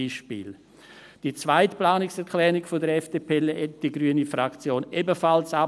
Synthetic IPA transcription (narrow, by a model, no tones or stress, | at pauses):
iːʃpḭːl | d̥it͡svaɪtplaːnɪksɛɾkʰlɛːɾɪkfodəɾɛfd̥epʰeːlɛd̥iɡɾyənifɾakt͡sjoːnebəfalsa